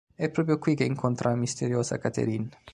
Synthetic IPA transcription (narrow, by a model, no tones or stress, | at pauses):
ɛpːɾop̬ɾjokwikeiŋkʰont̪ɾʔamist̪eɾjoːsa̰kat̪ḛɾin